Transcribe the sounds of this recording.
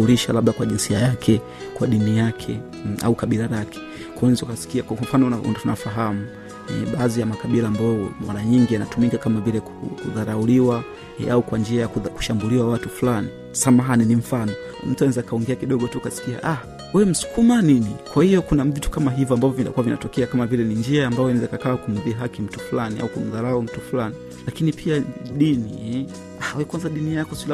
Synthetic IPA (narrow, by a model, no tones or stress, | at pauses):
uliʃa̰laɓlakwaʄinsiajakʰɛ | kwaɗinijakʰɛ | a̰ukaɓilaɾakʰɛ̥ | kwawɛzukasi̥kiakkwam̩fanɔaṵntunafaɦamu | ɛ̰ɓaːzijamakaɓilaːmbaɔmwa̰ɾaɲiŋɡianatumikakamavilɛkukuðaɾauliwa | aukwand͡ʒiajakku̥ʃambuliwawatufulani | samaɦaninim̩fanɔ | m̩tuanɛzakaɔŋɡɛakiɗɔɠɔtukasi̥kia̰ʔah | wɛm̩su̥kumaninikwahiɔkunavitu̥kamaɦivɔambavɔvindakuwavina̰tɔkɛakamavilɛniɲd͡ʒiaːmbaɔɛnɛzakakaːkum̩ðiɦakim̩tu̥fulania̰ukum̩ðaɾaum̩tufulani | lakinipʰiaɗiniɛ | ahawɛkwanzaɗinijakɔsila